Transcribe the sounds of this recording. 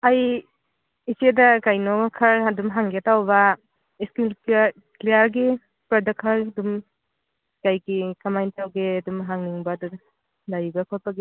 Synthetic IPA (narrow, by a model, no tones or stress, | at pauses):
aj | isedakajnɔɡkʰaɾadumɦaŋɡetawba | iskul | kliaɾɡi | pɾadakʰaɾdum | kajkikamajntawɡedumɦaŋniŋbadu | lajbakʰɔɾ̚paɡe